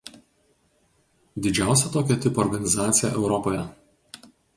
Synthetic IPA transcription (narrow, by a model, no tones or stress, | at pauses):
d̪ʲɪd͡ʒʲæˑʊsʲɛt̪oːkʲɛt̪ʲɪpɔɾɡɐnʲɪzɑːt̪sʲɪjɛ̰ʔɛʊɾɔpoːjɛ